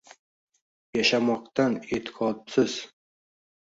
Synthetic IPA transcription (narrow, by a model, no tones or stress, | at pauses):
jaʃamɒq̚t̪anet̪ʰɪ̥qʰɒt̪sɪz̥